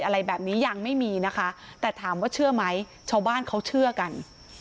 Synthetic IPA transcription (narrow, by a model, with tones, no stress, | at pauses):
jʔa˧ɾa˧jbɛː˨˩p̚niː˦˥jaː˨˩ŋ̚ma˥˩jmiː˧na˦˥kʰa˦˥t̪ɛː˨˩t̪ʰaː˩˦mwaː˥˩t͡ɕʰɯ˥˩ɐma˦˥j | t͡ɕʰa˦˥˩wbaː˥˩nkʰa˦˥wt͡ɕʰɯ˥˩ɐka˧n